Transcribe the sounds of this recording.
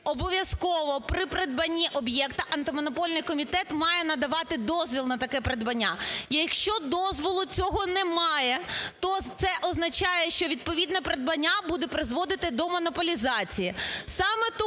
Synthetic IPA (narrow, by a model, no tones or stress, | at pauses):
ɔbɔʋʲjɐskɔʋɔpɾɪpɾed̪̚bɐnʲːiʔɔbjɛkt̪ɐʔɐnt̪ɪmɔnɔpɔlʲnɪjkɔmʲit̪ɛt̪mɑjɛnɐd̪ɐʋɑt̪ɪd̪ɔzʋʲilˠnɐt̪ɐkɛpɾed̪bɐnʲːa̰jjɐkʃt͡ʃɔd̪ɔzʋɔlˠʊt͡sʲɔɦɔnɛmɑjɛt̪ɔt̪sɛʔɔznɐt͡ʃɑjɛʃt͡ʃɔʋʲid̪pɔʋʲid̪nɐpɾed̪bɐnʲːabud̪ɛpɾɪzʋɔd̪ɪt̪ɪd̪ɔmɔnɔpɔlʲizɑt͡sʲijisɑmɛt̪